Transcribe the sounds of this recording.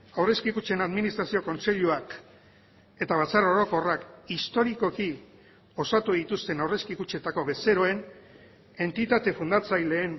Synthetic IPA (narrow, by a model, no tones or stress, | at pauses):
awre̞skikut͡ʃe̞naðminist̪ɾasioko̞nse̞ʎuak | e̞t̪aβat͡saɾo̞ɾo̞ko̞rakist̪o̞ɾiko̞ki | o̞sat̪uðit̪ust̪e̞nawre̞skikut͡ʃe̞t̪ako̞βe̞se̞ɾo̞e̞n | e̞nt̪it̪at̪e̞fund̪at͡sajle̞ːm